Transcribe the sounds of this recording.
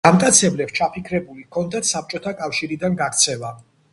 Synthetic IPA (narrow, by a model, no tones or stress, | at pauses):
amkʼat̪sʰɛblɛpst͡ʃʰapʰikʰɾɛbulikʰɔnd̪at̪ʰsap̚t͡ʃʼɔt̪ʰakʼafʃiɾid̪anɡakt̪sʰɛla